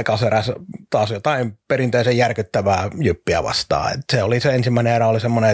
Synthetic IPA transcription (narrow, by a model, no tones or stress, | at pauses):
kɑseræst̪ɑːsjot̪ɑimperint̪eisejjærkyt̪ːæʋæːjypːiæ̰ʋɑ̰st̪ɑ̰ːḛt̪seoliseensimːæˑineerɑolisemːone